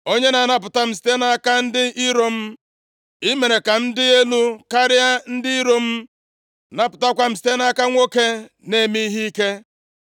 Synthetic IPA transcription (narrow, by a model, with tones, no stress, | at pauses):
o˦ɲe˦na˨na˨p̬ʊ˨ta˦m̩˨s̬i̥˨te˦na˦a˦ka˦n̩˦dɪ˦i˦ɾo˨m̩˦ | i˦me˨ɾe˨ka˨n̩˦dɪ˦e˦lu˦ka˦ɾɪ˦a˦n̩˦dɪ˦i˦ɾo˦m̩˦ | na˨pʊ˨ta˦kʷa˨m̩˦si̥˦te˦na˦ka˦ŋʷo˦ke˦ | ne˦˨mi˦i˦ɦi˦i˦ke˦